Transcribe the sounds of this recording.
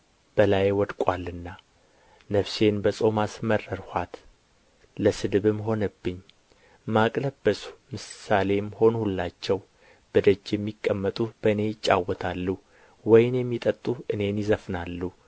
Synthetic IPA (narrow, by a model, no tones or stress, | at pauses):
b̥əlajwɔd̪kʼalːɨnːa | nəfse̞nbəsʼo̞masmərːəɾhat̪ | ləsɨd̪ɨβɨmːɦo̞nəbːɨɲː | makʼləbːəsu̥mɨsale̞mho̞nhulːat͡ʃːɛw | b̥əd̪əd͡ʒːjɛmːikʼːəmːət̪ʼub̥əne̞jɪt͡ʃʼːa̰wːɔt̪ʰalːu | wɔjɪnjɛmːit̪ʼət̪ʼuɨne̞njɪzəfnalːu